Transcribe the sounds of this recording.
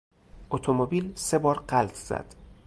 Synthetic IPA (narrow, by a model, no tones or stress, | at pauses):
ʔot̪ʰomobiːlse̞bɒːɾɢælt̪ʰz̥æ̰d̪̥